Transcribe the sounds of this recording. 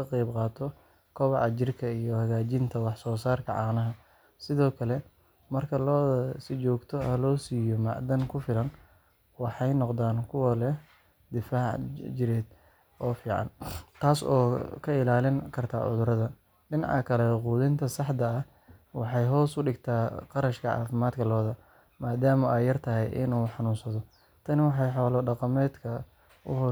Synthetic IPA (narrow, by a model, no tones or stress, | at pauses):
ɐqɛjbqɑːt̪ʰɔ | kʰɔβɑʕɑt͡ʃɪrkʰɐijɔhɐɣaːt͡ʃɪnt̪ʰɐwɑħsɔːsaːrkʰɐʕɑ̰qnɐɦɐ | sɪðɔːkʰɐlɛ | mɐrkʰɐlɔːsɪt͡ʃɔːɡt̪ʰɔɐlɔːsiːjɔmɑ̰ʕd̪ɐŋkʰʊfɪlɐn | wɑħɑjnɔqd̪aːnkʰʊwɐlɛ | d̪ɪfaːʕd͡ʒɪɾɛːd̪̚ | ʔɔːfiːʕɑ̰nt̪ʰaːsɔ̰ːkʰɐɪlaːlɪŋkʰɐrt̪ʰa̰ːʕʊ̰ðʊɾɐðɐ | lɪnɑʕɐ̰kʰɐlɛquːðɪnt̪ʰɐsɑħd̪ɐː | wɑħɑjɦɔːsʊɖɪɡt̪ʰaːqɑɾɐʃkʰɐʕɑ̰ːfɪmaːd̪kʰɐlɔːðɐ | maːd̪aːmɐʔɛjɐrt̪ʰɐɦɛ̰jʔɪ̰nuːħɑnuːnsɐðɔ | t̪ʰɐnɪwɑħɑjħɔːlɔɖɑqɑmɛːd̪kʰɐ | ʊ̰ɦɔ